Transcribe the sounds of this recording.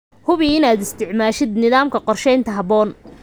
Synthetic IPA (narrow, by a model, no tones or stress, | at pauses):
hʊβiɪnaːd̪ɪst̪ʰɪʕmaːʃɪd̪nɪðaːmkʰɐqɔrʃɛjnt̪ʰɐɦɐβɔːn